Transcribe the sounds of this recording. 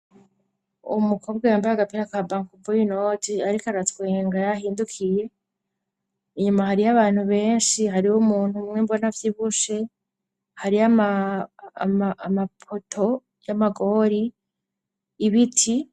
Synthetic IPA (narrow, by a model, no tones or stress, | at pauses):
ṵmukʰo̞ːb̚ɡajaːmbajaɡapiɾakabaŋkuvujinotiaɾikaɾatweːŋɡajaɦiːndukʰije̞ | iɲumahaɾijaβaːn̥huβe̞ːnʃiɦaɾiwumuːnhumŋembo̞navjiβuʃe̞ | haɾiama | mamapʰotʰo̞ | jamaɡo̞ːɾi | βitʰi